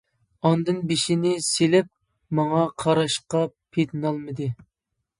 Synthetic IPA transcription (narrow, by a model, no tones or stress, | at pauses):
ɑnd̪ɨnbeʃinɪselɪp̚ | mɑŋɑqʰɑɾɑʃqɑpʰet̪nɑlˠmɨd̪ɨ